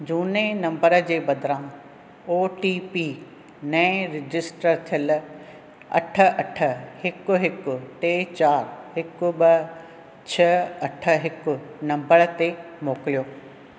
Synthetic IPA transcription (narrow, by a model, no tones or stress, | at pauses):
d͡ʑuːnenɐ̃mbəɾə̆d͡ʑeːbɐd̪ʱɾã | oːʈipi | nɐ̃ɪ̃ɾɪd͡ʑɪsʈəɾt̪ʰijəl | ɐ̰ʈʰə̆ʔɐʈʰə̆hɪkʊɦɪkʊ̆ʈeːt͡ɕaːɾɦɪkʊbɐ | t͡ɕʰɐɐʈʰəɦɪkʊ̆nɐ̃mbəɾt̪emoːkɪlijoː